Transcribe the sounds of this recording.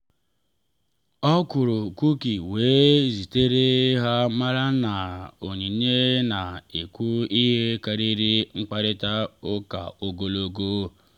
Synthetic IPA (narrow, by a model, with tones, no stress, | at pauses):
ɔ˦kʊ˨ɾʊ˨ku˦ki˨weː˨˦zi˨te˦ɾe˦ɦa˦ma˦ɾa˦na˨o˨ɲi˨ɲe˦na˨i˨kʷu˦i˦ɦe˦ka˨ɾi˦ɾi˦ŋ͡m̩˦k͡pa˦ɾɪ˦ta˦o˦ka̰˨o˨ɡo˨lo˦ɡoː˦